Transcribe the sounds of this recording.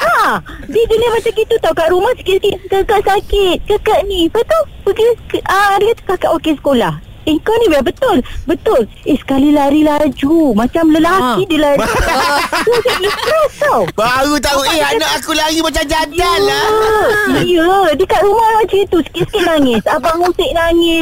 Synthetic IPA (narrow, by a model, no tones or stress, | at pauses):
adiɡənəmat͡ʃamɡit̪ut̪aukaʔɾumahsə̥kɪt̪̚sə̥kɪʔ̪̚kəkəʔsakɪt̪̚kəkəʔnibət̪o | bəɡikəadakat̪ḁkakəʔokesə̥kolah | əŋkawnĩbabət̪ʊlbət̪ʊl | ehsə̥kalilaɾilad͡ʒumat͡ʃamləlakidilad͡ʒ | kusiʔisp̪ɾɛst̪awbaɣut̪̬aueaanaakulaɾimat͡ʃamd͡ʒaa | iədikaʔɾumahmat͡ʃait̪usə̥kɪt̪̚sə̥kɪt̪̚naŋɪsapaŋusɪʔ̚naŋɪs